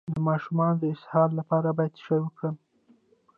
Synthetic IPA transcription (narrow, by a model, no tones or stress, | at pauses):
d̪əmɑʃumɑnod̪əɪshɑɾlapɑɾabɑjad̪ʃəjwəkɽəm